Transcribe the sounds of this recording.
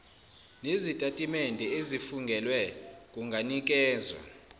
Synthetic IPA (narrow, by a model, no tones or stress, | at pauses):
nezitʼatʼimendʱɛezifuŋɡʱɛlwɛkʼuŋɡʱanik̬ʼɛːzwa̰